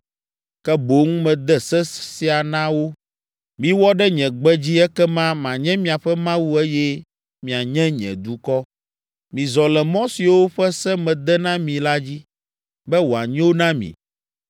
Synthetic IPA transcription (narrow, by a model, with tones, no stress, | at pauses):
kɛ˦bo˦ŋ˦mɛ̃˨d̪ɛ˦sɛ˦si˨a˨nã˦wo˦ | mĩ˨wɔ˦ɖɛ˦ɲɛ̃˨ɡ͡bɛ˦d͡ʑi˦ɛ˦kɛ˦mã˦mã˨ɲɛ̃˦mĩ˨a˨ɸɛ˦mã˦wu˦ɛ˦jɛ˦ | mĩ˨a˨ɲɛ̃˦ɲɛ̰̃˨d̪u˨kɔ˦ | mĩ˨zɔ˨lɛ˨mɔ̃˦si˨wo˦ɸɛ˦sɛ˦mɛ̃˨d̪ɛ˦nã˦mĩ˨la˦d͡ʑi˦ | bɛ˦wo˨a˨ɲɛ̃˦wo˦nã˦mḭ̃˨